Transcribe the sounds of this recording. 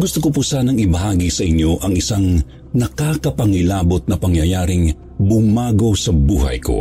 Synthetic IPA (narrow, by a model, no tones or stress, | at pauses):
ɡʊst̪okop̬ʊsanɐŋɪbɐhaːɡisɐʔɪɲjo̞ʔɐŋɪsaŋ | nɐkakɐpɐŋɪlaːbot̪̚nɐpɐŋjɐjaːɾɪŋ | bʊmaːɡo̞sɐbuːɦɐ̰jkʰo̰